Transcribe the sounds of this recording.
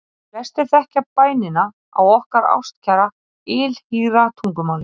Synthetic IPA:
pɛr̥st̪ɪθɛhcapaːjnɪna | a̰wɔhkaɾa̰wst̪cʰaɾa | ɪlhiːɾat̪ʰuŋkʏmawnɪ

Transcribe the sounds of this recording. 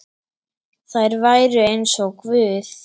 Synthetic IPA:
θaɛɾvajɾʏejnsɔkvʏːθ

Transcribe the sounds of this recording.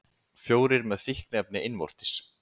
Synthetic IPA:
fjoːwɾɪɾmɛðfihknɛp̚nɪɪnvɔ̰r̥t̪ɪ̥s

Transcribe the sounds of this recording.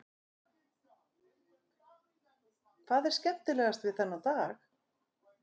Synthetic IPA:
kʰvaːðɛɾ̥scɛpt̪ɪlɛɣast̪vɪðθɛnːawt̪aːx

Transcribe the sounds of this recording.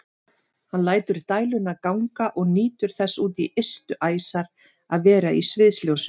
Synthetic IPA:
hanlaːjt̪ʏɾt̪aːjlʏnakawŋkaʔɔɣniːt̪ʏɾ̥θɛsːuːt̪iʔest̪ʏʔaːjsaɾ̥ | aðvɛːɾaʔisvɪðsljows

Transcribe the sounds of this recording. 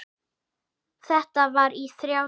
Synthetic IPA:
θɛht̪avaɾiθɾjaw

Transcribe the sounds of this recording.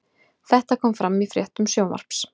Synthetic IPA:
θɛht̪akʰɔːmfɾamːifɾjɛht̪ʏmsjoːwma̰ɾ̥ps

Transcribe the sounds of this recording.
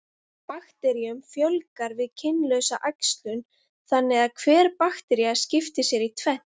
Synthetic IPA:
paxt̪ɛɾiʏmfjœlkaɾvɪðcʰɪnlœɥsaʔajkst̪lʏn | θanːɛðaðkʰvɛːɾ̥paxt̪ɛɾiḁscɪft̪ɪsjɛɾit̪ʰvɛn̥

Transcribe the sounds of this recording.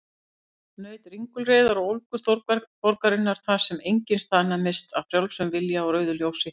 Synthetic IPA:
nœːɥt̪riŋkʏlreːðaɾɔɣowlkʏst̪oɾpɔɾkaɾɪnːaɾ̥θasɛmejɲcɪnst̪anːamɪst̪aðfɾjawlsʏmvɪljaɔɾœɥðʏljoːwsɪ

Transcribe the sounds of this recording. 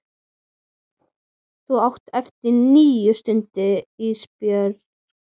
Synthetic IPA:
θuawht̪ɛft̪ɪɾniːjʏst̪ʏnt̪ɪispjœɾ

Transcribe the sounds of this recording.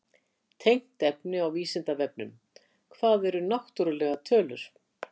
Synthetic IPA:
t̪ʰejŋ̥t̪ɛpnɪawiːsɪnt̪avɛp̚nʏm | kʰvaːðɛɾʏnaht̪uɾʏlɛɣat̪ʰœːlʏɾ̥

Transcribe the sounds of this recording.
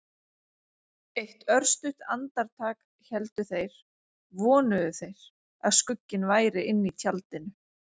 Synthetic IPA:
ejht̪œɾ̥st̪ʏht̪ant̪aɾt̪ʰaːk | çɛlt̪ʏθejɾ̥ | vɔːnʏðʏθejɾ̥ | a̰ðskʏcːɪnvaːjɾɪʔɪnːit̪ʰjalt̪ɪnʏ

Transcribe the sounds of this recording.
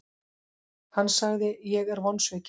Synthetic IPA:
hanːsaɣðɪjɛɣɛɾvɔnsvɛːc

